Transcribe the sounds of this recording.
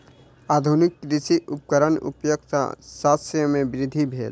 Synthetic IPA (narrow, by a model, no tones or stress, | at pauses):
aːd̪ʱunɪkːɾisiupkəɾənʊ̰pjok̚t̪saːsəmẽbɪɾɪd̪ʱːibʱḛːl